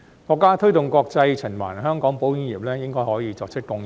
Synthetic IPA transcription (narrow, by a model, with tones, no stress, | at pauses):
kɔː˧kːaː˥t̪ʰɵ˥ɥt̪ʊ˨ŋkɔː˧k̚t͡sɐ˧jt͡sʰɪ˨˩ŋma̰˨˩nɦœː˥ŋkɔː˨˥ŋpo˨˥wɪ˥ŋjiː˨p̚lɛː˥jɪ˥ŋkɔː˥jhɔː˨˥jiː˧t͡sɔː˧k̚sʰɪ˥k̚ːʊ˧ŋ